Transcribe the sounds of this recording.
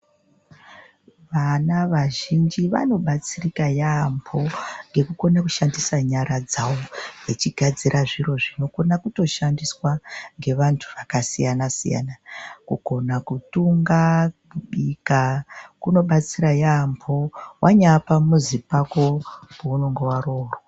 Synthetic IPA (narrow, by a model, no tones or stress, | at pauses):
ʋanaʋaʒind͡ʒiʋa̰no̞ɓat͡sirikajambʰo̞ŋɡe̞kuko̞naku̥ʃandisaɲaɾad͡zawoɡet͡ʃiɡʱad͡ziɾʔaʐiro̞ʐino̞ko̞nakuto̞ʃandiswaŋɡe̞ʋantʰuʋakasijanasḭja̰nakuɡʱo̞nakutuŋɡakuɓikakuno̞ɓat͡siɾajambʰʱo̞wʔaɲapamuzipako̞puunoŋɡewaɾoːrwa